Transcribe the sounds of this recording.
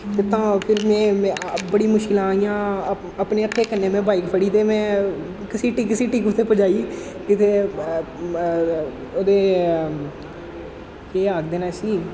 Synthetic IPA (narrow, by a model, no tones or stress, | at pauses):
t̪eːt̪ãːpʰɪɾmɛ̃ːmɛ̃bəɽiːmʊʃkɪlãːijãː | əpneːək̪ʰːeːkənːẽːmɛ̃ːbaːikpʰəɽiːt̪eːmɛ̃ː | kɪsiːʈiːkɪsiːʈiːkʊt̪ʰːeːpəd͡ʒaːiː | kɪt̪ʰeː | oːd̪eː | keːaːkd̪eːnaːsiː